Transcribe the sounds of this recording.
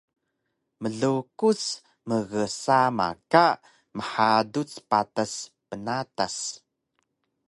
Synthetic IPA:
məɮukut͡s | məɣəsama̰kaʔ | məħadut͡spataspənatas

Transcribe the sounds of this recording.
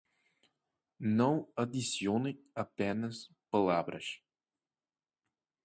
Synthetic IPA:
nɐ̃w̃ɐd̪isjonẽ | ɐpɛnɐs | pɐlabɾɐ̰s

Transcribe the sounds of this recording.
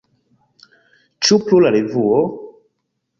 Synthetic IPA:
t͡ʃuplulaɾevuo

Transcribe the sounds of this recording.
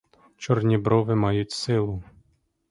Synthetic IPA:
t͡ʃɔrnʲibɾɔʋɪmɑjʊtʲsɪlˠʊ

